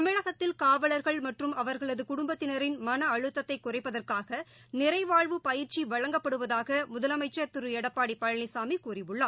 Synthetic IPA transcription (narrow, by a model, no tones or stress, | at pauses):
ɐmɪɻɐɣɐt̪ːɪlkaːʋɐɭɐɾɣɐɭmɐʈrɯmʔɐʋɐɾɣɐɭɐðɯkʊɽʊmbɐt̪ːɪnɐɾɪnmɐnɐːɻɯt̪ːɐt̪ːɐɪkːʊrɐɪpːɐðɐrkaːɣɐ | nɪɾɐɪʋaːɻʋɯpɐjɪɾt͡ʃiʋɐɻɐŋɡɐpːɐɽɯʋɐðaːɣɐmʊðɐlɐmɐɪt͡ʃːɐt̪ɪɾɯɛɽɐpːaːɽipːɐɻɐnɪsaːmikuːrɪʋɯɭːɐː